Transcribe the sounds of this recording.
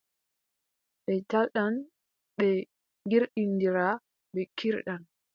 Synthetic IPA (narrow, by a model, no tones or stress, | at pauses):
ɓɛtalɗan | ɓɛ | ɡiɾɗindiɾa | ɓɛkiɾɗan